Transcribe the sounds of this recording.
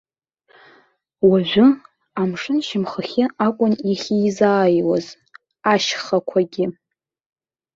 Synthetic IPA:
waʒʷᶣʊ | amʂɨnʃɪmχaχʲɪakʷʼʊniχʲizaːjwa̰z | aʃχakʷʰaɡʲɪ

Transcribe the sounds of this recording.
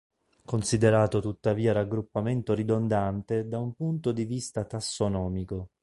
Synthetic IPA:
konsid̪eɾaːt̪ot̪ut̪ːaviːaɾaɡːɾupːament̪oɾid̪ond̪ant̪ed̪aumpunt̪od̪ivist̪at̪asːonɔːmiko

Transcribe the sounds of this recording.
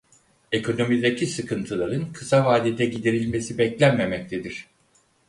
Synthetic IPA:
e̞kʰo̞no̞mizd̪acʰisɯkʰɯnt̪ʰɯlˠaɾɯnkʰɯsavaːd̪id̪ɛɟid̪iɾilʲme̞sibɛclʲænme̞mɛc̚t̪ʰed̪iɾ̝̥

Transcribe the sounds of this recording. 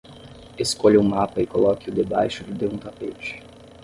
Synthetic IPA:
eskoʎɐũmapɐɪkolɔkɪʊd̪ebajʃʊd͡ʒɪd̪eũt̪apet͡ʃɪ̥

